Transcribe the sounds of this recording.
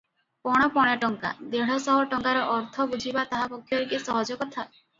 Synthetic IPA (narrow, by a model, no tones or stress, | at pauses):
pɔɽ̃ɔpɔɽ̃aʈɔŋka̰d̪eɽ̤ɔsɔɦɔʈɔŋkaɾɔʔɔɾt̪ʰɔbud͡ʒʱibat̪aɦapɔkʰːjɔɾikisɔɦɔd͡ʒɔkɔt̪ʰa